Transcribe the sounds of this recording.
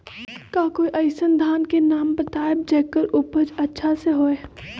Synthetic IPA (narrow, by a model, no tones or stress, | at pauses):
kaːkoːiʔɐɪsənd̪ʱaːnkenaːmbət̪aːɪb̚d͡ʒɛːkːəɾʊpəd͡ʒɐtːʃʰaseɦoːeː